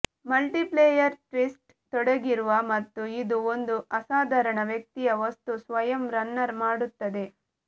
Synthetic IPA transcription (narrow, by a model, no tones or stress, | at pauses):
mɐlʈiplejɐɾʈɾisʈ | t̪ɔɽɐɡiɾuʋɐmɐt̪ːuid̪uond̪uɐsaːd̪ʱɐɾɐɳɐʋjɐk̚t̪ijɐʋɐst̪usʋɐjɐmɾɐnːɐɾmaːɽut̪ːɐd̪e̞